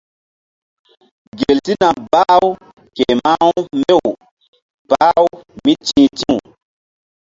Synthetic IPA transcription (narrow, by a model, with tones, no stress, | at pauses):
ɡe˨lti˦na˨ba˦w | ke˨ma˦wmbe˦w | baː˦wmi˦t͡ʃĩː˦tĩ˦u˨